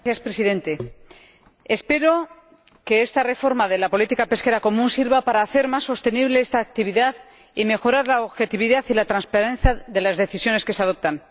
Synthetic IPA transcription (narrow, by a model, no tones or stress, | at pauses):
θjaspɾe̞siðe̞nt̪e̞ | espe̞ɾo̞ | ke̞est̪are̞fo̞ɾmaðe̞lapo̞lit̪ikape̞ske̞ɾako̞mũnsiɾβapaɾaːθe̞ɾmasːo̞st̪e̞niβleest̪aːk̚t̪iβ̞iðað | ime̞xo̞ɾaɾlaoβxe̞t̪iβ̞iðaθilat̪ɾanspaɾẽ̞nθjaðe̞lazðe̞θisjo̞ne̞skeseað̞o̞p̚t̪an